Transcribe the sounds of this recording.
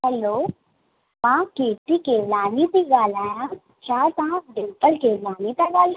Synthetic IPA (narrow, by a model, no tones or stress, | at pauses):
hɛloː | mãːkeːʈikeːʋlaːnit̪iɡaːlaːjã | t͡ʃaːɾt̪ɐɦãɖɪmpəlkeːʋlaːnit̪aɡaːla